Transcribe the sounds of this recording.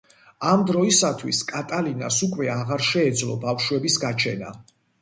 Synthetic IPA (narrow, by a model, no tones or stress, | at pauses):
amd̪ɾɔisat̪ʰwḭskʼat̪ʼalina̰sukʼwɛaʁaɾʃɛːd̪zlˠɔbafʃwɛbisɡat͡ʃʰɛna̰